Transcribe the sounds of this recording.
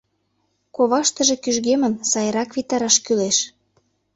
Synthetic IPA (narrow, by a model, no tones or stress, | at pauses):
koβɑʃt̪ə̆ʒĕkyʒɣemə̆nsɑjəɾɑkβit̪ɑɾɑʃkyleʃ